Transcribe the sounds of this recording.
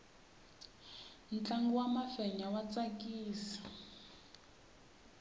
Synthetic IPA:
n̩t͡ɬaŋɡuwamafɛɲawat͡sakiːsi̥

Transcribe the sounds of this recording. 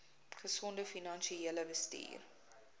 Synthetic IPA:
χəsɔndəfinɐnʃieələbəstḭːr

